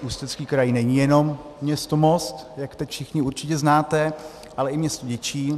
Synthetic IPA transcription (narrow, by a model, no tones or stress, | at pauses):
ʔuːst̪ɛt͡skiːkɾajinɛɲijɛno̞mːɲɛst̪omost̪jakt̪ɛcfʃɪxɲɪuɾt͡ʃɪcɛznaːt̪ɛ | ʔalɛɪmɲɛst̪oɟɛt͡ʃiː